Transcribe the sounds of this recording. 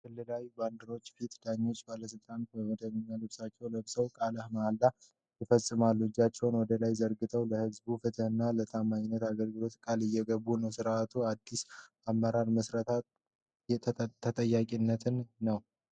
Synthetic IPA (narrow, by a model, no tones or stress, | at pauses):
kʰɨlːɨlawband̪əɾo̞t͡ʃːfit̪d̪̥aɲːo̞t͡ʃːbaləs̬ɨlt̪ʼant̪bəməd̪əβɨɲːalɨβsat͡ʃːɛwləβsəwkʼaləhmaalːa | jɪfəsʼːɨmalːuɨd͡ʒːat͡ʃːɛwnwɔd̪əlajzəɾɡɨt̪ʰəwləhɨzbufɨt̪ʰəhɨnːalət̪ʰamaɲɪnːət̪aɡəɾɡɨlo̞t̪kʼalɨjːɛɡəβːunəwsɨɾʔat̪ʰuad̪ːis | amːəɾaɾməsɾət̪ʰat̪ʰ | t̪ʰət̪ʼəjːakʼinːət̪ʰɨnːəw